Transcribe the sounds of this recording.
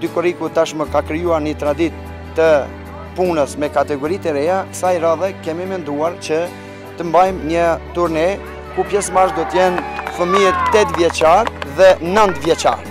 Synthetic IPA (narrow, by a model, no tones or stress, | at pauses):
d̪ykɔɾikut̪aʃməkakɾijuaɾnət̪ɾad̪it̪ː | ə | punəsmɛkat̪ɛɡɔɾit̪ɛɾɛasajɾaðɛkɛmimɛnd̪uaɾt͡ʃə | t̪əmbajmɲət̪uɾnɛ | kupjɛsmaɾʒd̪ɔt̪əjɛnfəmiɛt̪t̪ːɛt̪vjɛt͡ʃaɾðɛnənt̪vjɛt͡ʃa̰ɾ